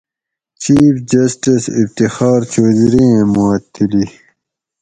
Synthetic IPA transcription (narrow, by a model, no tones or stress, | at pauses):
t͡ɕiːfd͡ʑɐsʈisibt̪ixaːɾt͡ɕoːzɾĩẽmaːt̪ʰːili